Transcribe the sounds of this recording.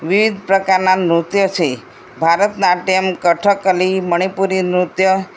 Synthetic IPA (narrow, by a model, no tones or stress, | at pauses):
ʋiʋid̪ʱpɾəkaɾnanɾut̪jət͡ʃʰe | bʱaɾət̪naʈiəmkəʈʰəkəliməɽ̃ipuɾinɾut̪jə